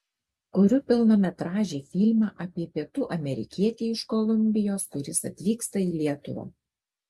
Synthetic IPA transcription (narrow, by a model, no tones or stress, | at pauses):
kʊɾʲʊpʲɪlˠnoːmʲɛt̪ɾɑːʒʲeːfʲiːlʲmɑʔɐpʲiɛpʲiɛt̪uːʔɐmʲɛɾʲɪ̰kʲiɛt̪ʲeɪʃkɔlˠʊmʲbʲɪjoːskʊɾʲɪsɐ̰t̪ʲʋʲiːkst̪ɐiːlʲiɛt̪ʊʋɐ̰ː